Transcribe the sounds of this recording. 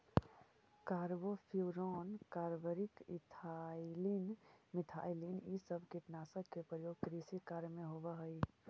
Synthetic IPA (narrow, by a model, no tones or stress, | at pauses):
kaːɾbopʰuɾɔnkaːɾbəɾikit̪ʰalinmɪt̪ʰa̰jlinisəbʱkiʈnaːsəkepɾəjoːɡ̚kɾisikaɾmẽɦobəɦəi